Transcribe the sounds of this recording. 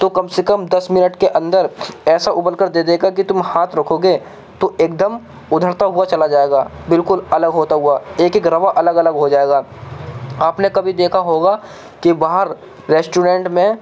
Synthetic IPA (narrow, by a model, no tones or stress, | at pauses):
t̪okɐbsekəmd̪ɐsmɪnəʈkeʔɐ̃nd̪əɾɛːsaʔʊbəlkəɾd̪eːd̪eːɡakit̪ʊmhaːt̪ʰɾɐkʰoːɡeː | t̪oeːk̚d̪əm | ʊd̪ʱəɾt̪aɦʊat͡ʃɐlad͡ʒaːeːɡaːbɪlkʊlɐləɡɦoːt̪aɦʊaeːkekɾɐʋaʔɐləɡɐləɡɦod͡ʒaːeːɡaː | aːpnekɐbʱid̪eːkʰaɦoːɡa | kibaːɦəɾː | ɛsʈuɾẽːɳʈmẽ